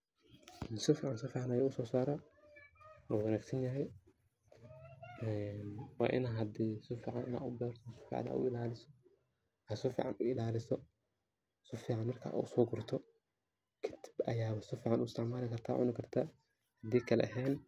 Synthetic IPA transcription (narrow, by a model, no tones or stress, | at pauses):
nsɔfiːʕansɔfiːʕanajaːʊsɔːsaːɾɐ | wɔwɐnaːɡsɐnjɐɦɛj | ɛnwa̰ːʔɪ̰naɦɐd̪iːsʊfiːʕa̰nɪna̰ːʊbɛːɾt̪ʰɔsɔ̥fḭʕa̰na̰ːʔʊ̰ɪlaːlɪsɔ | hɐsɔfḭːʕa̰nʊɪlaːlɪsɔ | sɔfiːʕanmɐrkʰa̰ːʔo̰sɔːɡʊɾt̪ʰɔ | kʰɪt̪ʰɪ̥bɐjaːwɐsɔfiːʕanʊɪst̪ɪʕmaːlɪkɐrt̪ʰa̰ːʕʊ̰nɪkʰɐrt̪ʰa | hɐd̪iːkʰɐlɛ̰ʔɐɦɛːn